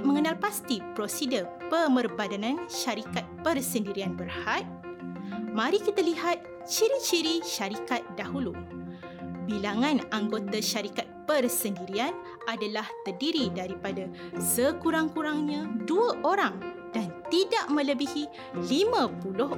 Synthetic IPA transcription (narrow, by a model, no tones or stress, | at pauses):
mə̃ŋənalpast̪ipɾosidəpəmərbadanãnʃaɾikat̪̚pərsəndiɾianbərhat̪̚ | mãɾikit̪aliɦat̪̚ | t͡ʃiɾit͡ʃiɾiʃaɾikat̪̚daɦulu | bilaŋãnaŋɡot̪aʃaɾikat̪̚pərsəndiɾian | ʔadalaht̪ərdiɾidaɾipada | səkuɾaŋkuɾaŋɲãduaʔoɾaŋ | d̥ant̪idaʔmə̃ləbihi | limãpulʊh